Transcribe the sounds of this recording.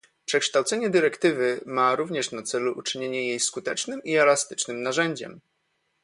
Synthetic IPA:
pʂɛkʂt̪awt̪sɛɲɛd̪ɘɾɛkt̪ɘvɘmaɾuvɲɛʂnat̪sɛluʔut͡ʂɘɲeɲɛjejskut̪ɛt͡ʂnɘmiɛlast̪ɘ̥t͡ʂnɘmnaʐɛɲd͡ʑɛ̰m

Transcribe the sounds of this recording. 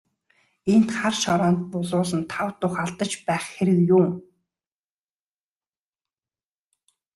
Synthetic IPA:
en̥t̪χarʃɔɾɔːnt̪̚pʊɮʊːsə̆nt̪ʰawt̪ʊχaɮt̪ə̆t͡ɕpæːχxeɾɘ̆kjʊːm

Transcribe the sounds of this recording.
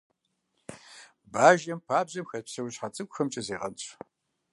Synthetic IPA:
baːʒɐmpʰaːbʑɐmxɐpsɐwɕħat͡sʼɨkʷʊxɐmt͡ʃʼɪzeːʁɐ̰nɕʷʼ

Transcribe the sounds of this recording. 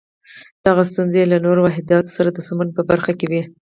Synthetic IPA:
d̪̥aɣast̪unzelanoɾowaɦɪd̪jɑt̪o̥saɾad̪əsamanpəbaɾxakewi

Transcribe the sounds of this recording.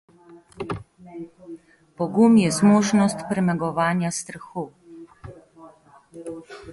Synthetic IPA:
pɔɡumjɛzmoːʒnɔst̪pɾɛmɛɡɔʋaːnjast̪ɾaxu

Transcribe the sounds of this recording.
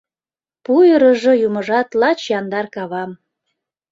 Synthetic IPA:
pujəɾə̆ʒojumə̆ʒɑt̪lɑt͡ɕjɑnd̪ɑrkɑβɑm

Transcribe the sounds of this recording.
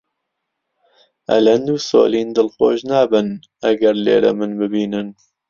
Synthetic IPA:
ɐ̰lɐnd̪uːso̰ːliːnd̪ɨlxoːʒnaːbɨn | ɐɡɐɾlḛːɾɐ̰mɨnbɨbiːnɨn

